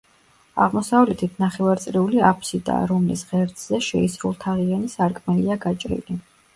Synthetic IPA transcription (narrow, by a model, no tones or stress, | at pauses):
a̰ʁmɔsavlɛt̪ʰit̪ʰnaχɛvaɾt̪sʼɾiuliapʰsid̪a̰ːɾɔmlḭsʁɛɾt̪ʰʼzɛʃɛisɾulˠt̪ʰaʁianisaɾkʼmɛliaɡat͡ʃʼɾḭli